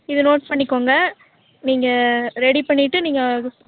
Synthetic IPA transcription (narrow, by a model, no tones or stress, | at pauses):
ɪðɯnoːʈspɐɳːɪkːoːŋɡɐ | niːŋɡɐɾɛɽipɐɳːɪʈːɯniːŋɡɐ